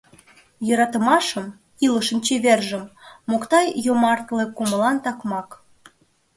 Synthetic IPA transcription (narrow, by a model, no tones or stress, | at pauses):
jɤɾɑt̪ə̆mɑʃə̆m | ilə̆ʃə̆nt͡ɕeβerʒə̆mːokt̪ɑjjomɑrt̪lekumə̆lɑnt̪ɑkmɑk